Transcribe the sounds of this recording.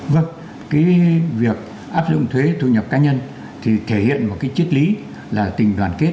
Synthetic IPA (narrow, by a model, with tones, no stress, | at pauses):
və˧˩ŋ | kaː˨˦jvi˨˩ək̚ | ʔaː˦˥p̚zʊ̰˧˨ŋ͡mt̪ʰwe˨˦t̪ʰṵ˧˨ɲə˨˩p̚kaː˨˦ɲə˧n | t̪ʰi˨˩t̪ʰe˧˩hḭ˧˨ənmo˨˩kaː˨˦jt͡ɕi˦˥t̚li˨˦ | laː˨˩t̪ï˨˩ŋ̟ɗwaː˨˩nke˦˥t̚